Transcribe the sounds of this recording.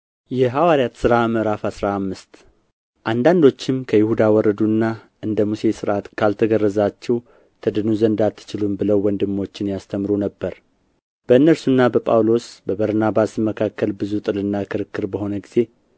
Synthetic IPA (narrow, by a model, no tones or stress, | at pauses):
jɛɦawaɾijat̪sɨɾaməɾafasɾaːmːɨst̪ | ʔand̪and̪o̞t͡ʃːɪmkʰəjɪhud̪awɔrːəd̪uɨnːa | ʔɨnd̪əmuse̞sɨɾʔat̪kʰalt̪ʰəɡərːəzat͡ʃːɛw | t̪ʰɨd̪ɨnuzənd̪at̪ʰːɨ̥t͡ʃɪlumbɨləwwɔnd̪ɨmːo̞t͡ʃːɪnjast̪ʰəmɾunəbːəɾ | b̥əɨnːəɾsunːabəpʼa̰wlo̞sbəbəɾnabasməkʰakːəlbɨzut̪ʼɨlɨnːakʰɨɾɨkːɨɾbəho̞nəɡiz̥e̞